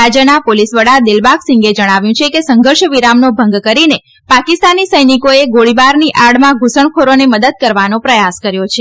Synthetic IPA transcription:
ad͡ʒənapolisʋəɽad̪ɪlbaksĩŋɡed͡ʒəɽ̃aʋjũt͡ʃʰekesə̃ŋɡʱəɾʃəʋiɾamnobʱə̃ŋɡkəɾine | pakist̪anisəjnikoeɡoɭibaɾniʔaɽmãɡʱusəɳkʰoɾoneməd̪əd̪̚kəɾʋanopɾəjaskəɾjot͡ʃʰe

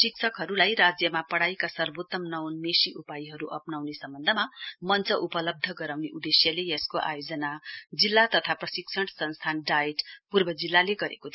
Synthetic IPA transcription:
siksʰʌkɦʌɾulajɾad͡zjʌmapʌɽajkasʌrbot̪ːʌmnʌwnmesiʔupajiɦʌɾuʔʌpnawnesʌmbʌnd̪ʱʌmamʌnt͡sʌʔupʌlʌb̚d̪ʱʌɡʌɾawneʔud̪esjʌlejʌskoʔa̰jod͡zʌnad͡zilːat̪ʌt̪ʰaprʌsiksʰʌɽ̃sʌnst̪ʰanɖajeʈpurbʌd͡zilːaleɡʌɾḛkot̪ʰi

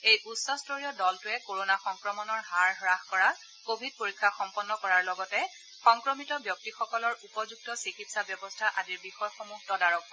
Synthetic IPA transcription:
ejʔusːɔstʰoɹijɔdɔltʊɛkoɹonaxɔŋkɹɔmɔnɔɹɦaɹɦɹaxkɔɹa | kobʱid̚poɹikʰːaxɔmpɔnːɔkɔɹaɹlɔɡɔtɛ | xɔŋkɹɔmitɔbjɔk̚tixɔkɔlɔɹupɔzuɡ̚tɔsikitsabjɔbɔstʰaʔadiɹbixɔjxɔmutɔdaɹɔk

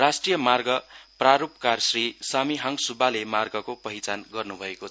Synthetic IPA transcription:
rasʈrijʌmarɡʌpraɾupkarsrisamiɦaŋsubalemarɡʌkopʌɦit͡sanɡʌrnubʱʌeko

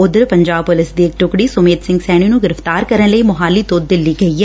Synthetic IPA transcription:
ʊd̪əɾpəɲd͡ʒaːbpʊlɪsd̪iːɪk̚ʈʊkɽiːsʊmeːt̪sɪ̃ŋɡsɛːɽ̃iːnũːɡɪɾəft̪aːɾkəɾənləiːmʊɦaːliːt̪oːd̪̚d̪ɪlːiːɡəiːɦɛː

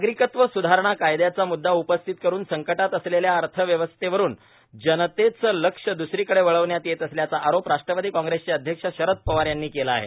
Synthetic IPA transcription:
ɡɾikət̪ʋəsud̪ʱaɾəɳ̃akajd̪jat͡samud̪ːaupəst̪ʰit̪̚kəɾuːnsəŋkəʈat̪əsleljaəɾt̪ʰəʋjəʋəst̪eʋəɾuːn | d͡ʑənət̪et͡sələkʂəd̪usɾiːkəɽeʋəɭəʋɳjat̪jet̪əsljat͡saʔaɾopɾaʂʈɾəpəd̪iːkɔ̃ŋɡɾest͡ɕeəd̪ʱjəkʂəɕəɾət̪̚pəʋaɾjanːiːkelaːɦḛ

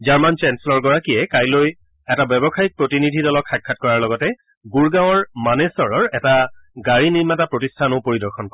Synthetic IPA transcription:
zaɹmant͡ʃɛnsɛlɔɹɡɔɹakiɛkajloj | ɛtabɛbɔxaik̚pɹotinidʱidɔlɔkʰːakʰːatkɔɹaɹlɔɡɔtɛ | ɡuɹɡãw̃ɔɹmanesɔɹɔɹɛtaɡaɹiniɹmatapɹotistʰanopoɹidɔɹxʰɔnkɔɛ

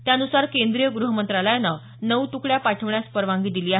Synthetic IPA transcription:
t̪janusaɾkend̪ɾijəɡɾuɦəmənt̪ɾaləjnːa | nəut̪ukɽjapaʈʰəʋɳjaspəɾʋãŋɡiːd̪iliːaɦ

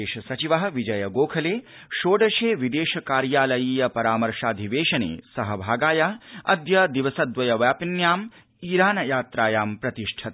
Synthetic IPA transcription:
eːʃɐsɐt͡ʃiʋɐɦɐ̆ʋid͡ʒɐjɐɡoːkʰɐleː | ʃoːɖɐʃeːʋid̪eːʃɐkaːɾjaːlɐjiːjɐpɐɾaːmɐɾʂaːd̪ʱiʋeːʃɐnḛːsɐɦɐbʱaːɡaːjɐɐ̰d̪jɐd̪iʋɐsɐd̪ʋɐjɐʋjaːpinjaːm | iːɾaːnɐjaːt̪ɾaːjaːmpɾɐt̪iʂʈʰɐt̪

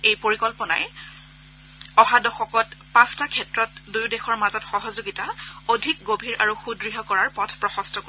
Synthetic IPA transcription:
ejpoɹikɔlpɔna̰j | ɔɦadɔxɔkɔtpãstakʰɛtɹɔt̚dujdexɔɹmazɔtxɔɦɔzoɡitaodʱik̚ɡobʱiɹʔaɹuxudɹiɦɔkɔɹaɹpɔtʰpɹɔxɔstʰɔko

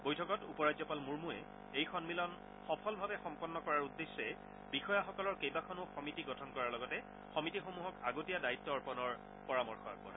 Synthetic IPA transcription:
bojtʰɔkɔtupɔɹadzɔpalmuɹmuɛ̰ | ejxɔnmilɔn | xɔpʰɔlbʱabɛxɔmpɔnːɔkɔɹaɹudːesːɛ | bixɔjaxɔkɔlɔɹkejbakʰɔnʊxɔmitiɡɔtʰɔnkɔɹaɹlɔɡɔtɛ | xɔmitixomuɦɔkaɡotijadait̪ːɔːɹpɔnɔɹ | pɔɹamɔɹxɔa̰k̚bɔ̰a

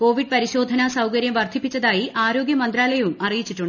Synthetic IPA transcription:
ko̞ːʋiɖ̚pɐɾiɕo̞ːd̪ʱɐnasɐwkɐɾjɐmʋɐrt̪ipːit͡ɕːɐðaːjiʔaːɾo̞ːɡjɐmɐnd̪ɾaːlɐjɐʋumʔɐrijit͡ɕːiʈːuɳɖ

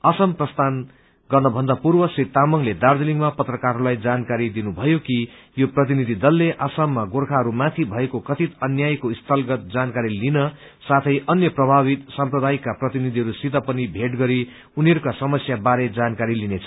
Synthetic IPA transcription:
ʌsʌmprʌst̪ʰan | ɡʌrnʌbʱʌnd̪apurbʌsit̪ːamʌŋled̪ard̪eliŋmapʌt̪rʌkaɾulajd͡zankaɾid̪inubʱʌjoki | joprʌt̪̬inid̪ʱid̪ʌlːeʔasamːaɡorkʰaɦʌɾumat̪ʰibʱʌekokʌt̪it̪ʌnjajkoist̪ʰʌlɡʌt̪̚d͡zankaɾilinʌ | sat̪ʰʌjʔʌnjʌprʌbʱaβit̪samprʌd̪ajikːaprʌt̪inid̪ʱiɦʌɾusit̪ʌpʌnibʱeʈɡʌɾi | uniʌɾukasʌmʌsjabaɾed͡zankaɾilinet͡sʰʌ̥

